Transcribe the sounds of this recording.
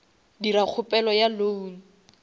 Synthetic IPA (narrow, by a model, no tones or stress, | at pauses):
dirak͡xʰʊpʼɛlɔjalouŋ̩